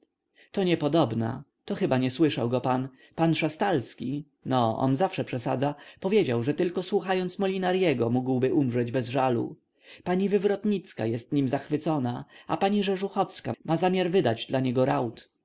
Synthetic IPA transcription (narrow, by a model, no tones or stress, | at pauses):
t̪ɔɲɛpɔd̪ɔbna̰ | t̪ɔxɘbaɲɛswɘʂawɡɔpan | panʂast̪alskʲi | nɔɔ̰nzafʂɛpʂɛsa̰d̪zapɔvʲjed͡ʑawʐɛt̪ɘlkɔswuxajɔnt̪smɔlʲinaɾjɛɡɔmuɡwbɘʔumʐɛd͡ʑbɛzʐalṵ | paɲivɘvɾɔt̪ɲit̪ska̰jɛst̪ɲimzaxfɘt̪sɔnaa̰paɲiʐɛʐuxɔfska̰mazamʲjaɾvɘd̪ad͡ʑd̪laɲɛɡɔɾawt̪